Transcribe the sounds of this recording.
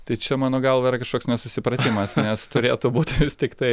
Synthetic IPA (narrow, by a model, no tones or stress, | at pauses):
t̪ɐɪt͡ʃʲɛmɑːnoːɡɐlˠʋɐɪɾɐkɐʃkoːksnʲɛsʊsʲɪpɾɐt̪ʲɪmɐsnʲɛst̪ʊɾʲeːt̪ʊbuːt̪ʲʋʲɪst̪ʲɪkt̪ɐɪ